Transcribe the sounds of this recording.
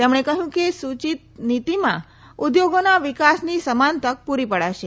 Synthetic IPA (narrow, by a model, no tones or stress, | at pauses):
t̪emɳ̃ekəɦjũkesut͡ʃit̪̚nit̪imã | ud̪joɡonaʋikasnisəmant̪ək̚puɾipəɽaʃe